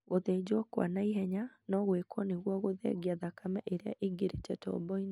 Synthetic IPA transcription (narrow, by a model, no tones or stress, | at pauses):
ɣoðɛid͡ʑwɔkwa̰naiɦɛɲanɔɣwekwɔneɣwɔɣoðɛ̰ɡiaðakamɛʔeɾea̰ʔiɡeɾetɛtɔ̰bɔin